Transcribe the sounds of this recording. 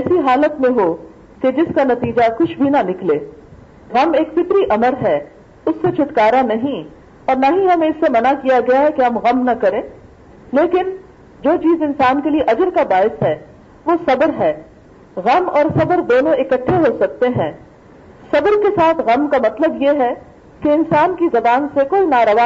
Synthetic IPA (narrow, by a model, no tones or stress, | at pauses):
ɛːsiɦaːlət̪mẽɦoː | ked͡ʒɪskanɐt̪iːd͡ʒakʊt͡ʃʰbʱinɐnɪkleː | ɣɐmeːkfɪt̪ɾiʔɐməɾɦɛː | ʊsːet͡ʃʰɪt̪kaːɾanɐɦĩ | ɔːɾnɐɦĩɦɐmẽɪsːemɐnakijaɡɐjaɦɛkeɦɐmɣɐmnɐkɐɾẽː | leːkɪn | d͡ʒoːt͡ʃiːzɪnsaːnkelieʔɐd͡ʒəɾkabaːɪsɦɛː | ʋoːsɐbəɾɦɛː | ɣɐmɔːɾsɐbəɾd̪oːnõɪkəʈʰːeɦoːsɐk̚t̪eɦɛ̃ː | sɐbəɾkesaːt̪ʰɣɐmkamɐt̪ləbjeɦɛ | keɪnsaːnkizɐbaːnsekoːinaːɾɐʋaː